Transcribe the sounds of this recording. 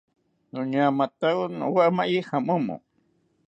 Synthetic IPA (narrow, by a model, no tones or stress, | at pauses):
nuɲamat̪awno̰waʔmaʔihamumo̰